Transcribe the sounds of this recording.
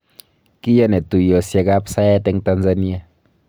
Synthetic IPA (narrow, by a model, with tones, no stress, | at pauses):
ki˦ja˦ne˨t̪u˨jo˨sja˧ɡa˦psa˦jɛ˦t̪e˧ŋt̪a˧nza˦ni˦a˦˧